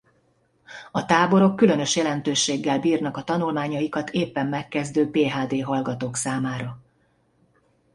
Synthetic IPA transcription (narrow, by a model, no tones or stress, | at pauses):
ɒt̪aːbo̞ɾo̞kːylø̞n̪ø̞ʃjɛlɛnt̪øːʃeːɡːɛlbiːrnɒkɒt̪ɒnulmaːɲɒjikɒt̪ʰeːpːɛmːɛkːɛzd̪øːpeːɦaːd̪eːɦɒlɡɒt̪oːksaːmaːɾɒ